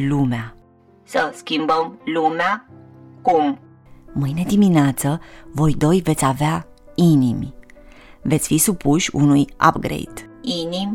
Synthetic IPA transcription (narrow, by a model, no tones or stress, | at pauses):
lumea | səskʲimbəmlumeakum | mɨjne̞d̪imineat̪səvo̞jd̪o̞jve̞t̪sʲavea | inimʲ | ve̞t̪sʲfisupuʃʲunuja̰pɡɾḛjd̪̥ | inimʲ